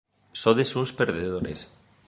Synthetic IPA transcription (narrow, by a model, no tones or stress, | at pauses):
soðesunspeɾðeðoɾḛs